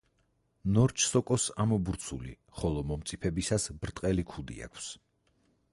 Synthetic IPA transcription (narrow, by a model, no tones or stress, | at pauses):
nɔɾt͡ʃʰsɔkʼɔsamɔbuɾt̪sʰulḭ | χɔlˠɔmɔmt̪sʼipʰɛbisasbɾt̪ʼqʼɛlikʰud̪ḭa̰kʰs